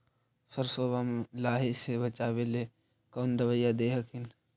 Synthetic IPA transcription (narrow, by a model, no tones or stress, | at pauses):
səɾsoːbamẽlaːɦisebɐt͡ʃaːwele | koːnd̪ɐʋəjːad̪eːɦəkʰɪn